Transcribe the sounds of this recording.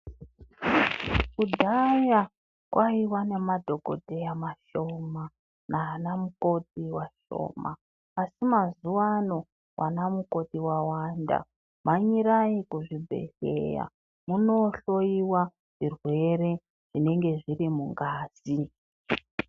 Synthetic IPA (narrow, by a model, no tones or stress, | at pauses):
kudʱaja | kwʔaiwane̞madʱo̞ɡʱo̞̰dʱe̞jamaʃo̞ma | naːnamuko̞t̚iwaʃo̞̰ːmaː | simazuwano̞ | wʔa̰namuko̞tiwawanda̰ | maɲiɾaikuʐibʱe̞̰ɬḛja̰ | muno̞ɬo̞iwa | ʐ̥irwe̞ɾe̞ | ʐ̥ine̞ŋɡe̞ʐirimuŋɡaːz̥i